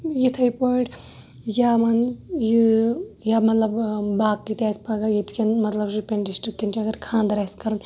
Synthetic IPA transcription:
jit̪ʰɐjpoiʈ | jamɐnjijamɐt̪lɐbbaːk̚kit̪ʲaspɐɡajit̪kʰʲɐnmɐt̪lɐbʃupʲenɖisʈɾikkːint͡ʃɐɡɐɾkʰãːnd̪ɐɾaskɐɾun

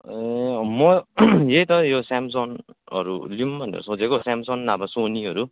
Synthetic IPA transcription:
emʌjejt̪ʌjosamsonʌ̰ɾṵlumbʌnḛɾṵsõd͡zʱekosamsonːabasoniɦʌɾu

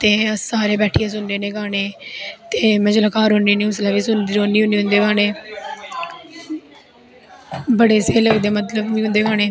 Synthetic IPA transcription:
t̪eːsaːɾeːbɛːʈʰijãːs̬ʊnd̪eːnẽːkaːneːt̪eːmɛ̃ːd͡ʒləkaːɾõːneːniːʊslaːʋiːsʊnd̪iːɾoːnd̪iːʊ̃nd̪iːɦʊ̃nd̪eːɡaːneː | bəɽeːseːləɡd̪eːmət̪ləbniːɦʊ̃nd̪eːɡaːneː

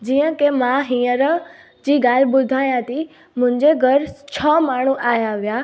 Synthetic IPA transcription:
d͡ʑiːə̃kemãɦĩːəɾə | d͡ʑiːɡaːl̤ɓʊd̪ʱaːjãt̪ʰi | mʊ̃ɦɪ̃ɲd͡ʑeɡʱəɾt͡ɕʰɔːmaːɳ̤ũʔaːjaʋijaː

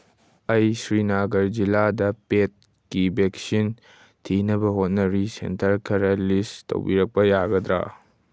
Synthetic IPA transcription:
ɐjsɾinaɡɐɾd͡ʒiladɐpet̚ | kibeksin | tʰinɐbɐɦot̚nɐɾisḛntʰɐɾkʰɐɾɐlisto̰wbiɾɐk̚pɐjaɡɐd̪ɾa̰

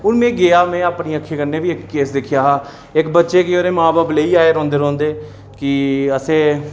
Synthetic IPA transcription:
ʊnmɛ̃ːɡeːaːmɛ̃ːaːpniːəkʰːeːkənːeːʋiːɪkːeːsd̪ɪkʰɪjaːɦaː | ɪkbətːʃeːkɪoːɾeːmaːbaːbleːiːaːeːɾɔ̃ːnd̪eːɾɔ̃ːnd̪eː | kɪəseː

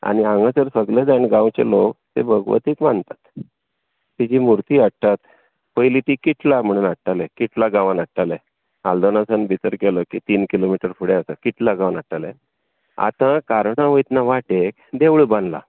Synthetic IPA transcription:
a̰niãŋɡat͡səɾfəɡled̪aɳɡãwt͡ɕḛlot̪ḛbʱəɡʋə̰t̪iːkmant̪ḁt̪ː | id͡ʑiːmuɾt̪iːaʈ̚t̪at̪ | pəjlit̪ikiʈ̪ʰlam̤əɽ̃unaʈːalekiʈ̪ʰlaɡaʋanaʈːale | a̰ld̪onasənbʱit̪əɾkeləkit̪iːnkilomiʈəɾfuɽeasakiʈ̪laɡãwnaʈːalḛ | a̰t̪ãkaɾɳaʋəjt̪naʋaʈekd̪eʋɭbə̃nla̰

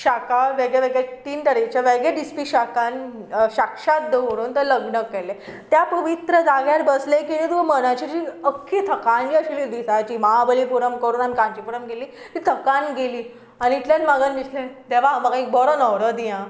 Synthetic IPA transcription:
ɕakaʋeɡɭeʋeɡɭet̪iːnʈ̪əɾikt͡ɕaʋeɡeɖispiɕakanɕakʂat̪̚d̪eoɾuːnt̪əɾləɡɳəkːɛɾlet̪japəʋit̪ɾəd͡zaɡjaɾbəslekinẽt̪uməɽ̃at͡ɕid͡ʑiəkʰːet̪ʰəkand͡ʑiəɕilid̪isat͡ɕiːməɦabəlipuɾəmkəɾuːnanikãɲt͡ɕipuɾəmɡeliː | t̪iːt̪ʰəkanɡeliː | aniːʈ̪lanmaɡanmisled̪ɛʋaməɡãik̚bɔɾənəʋɾəd̪ijã

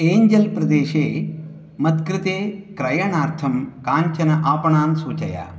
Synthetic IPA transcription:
eːɲd͡ʒɐlpɾɐd̪eːʃeː | mɐt̪kɾɨt̪eːkɾɐjɐɳaːɾt̪ʰɐmkaːɲt͡ʃɐnɐʔaːpɐɳaːnsuːt͡ʃɐja̰ː

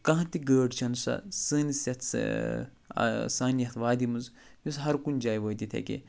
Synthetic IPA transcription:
kɐ̃ɦɐ̃t̪iɡəːɖt͡ʃʰɐnusɐ̰sɨːnisɐt̪ | saːnjɐt̪ʰʋaːd̪imunz | jusɦɐɾkund͡ʒaːjʋoːd̪it̪ʰḛkḛ

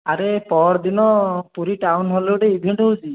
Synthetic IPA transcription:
aɾepɔɽd̪inɔpuɾiʈawnɦɔlewɖeibʱeɳʈɦowsʰi

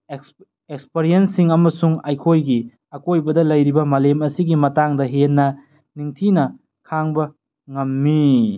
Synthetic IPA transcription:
ekspeɾijensiŋɐmɐsuŋajkʰojɡi | ɐkojbɐdɐlɐjɾibɐmɐlemɐsiɡimɐtaŋdɐɦenːɐ | niŋtʰinɐ | kʰaŋbɐ | ŋɐmːi

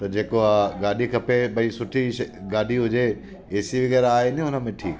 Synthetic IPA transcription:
t̪ɐd͡ʑeːkoaɡaːɗikʰɐpeɓɐisʊʈʰiʃɡaːɗiɦʊd͡ʑe | eːsiʋɪɡəɾaːɦenɪʊnə̆mẽʈʰiːk

